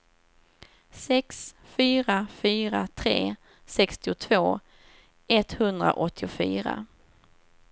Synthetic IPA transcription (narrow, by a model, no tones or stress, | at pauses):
sɛks | fyːɾafyːɾat̪ʰɾḛː | sɛkst̪ɪʊt̪ʰv̥oː | ɛt̪hɵnd̪ɾa̰ʔɔt̪ʰːɪʊfy̰ːɾa̰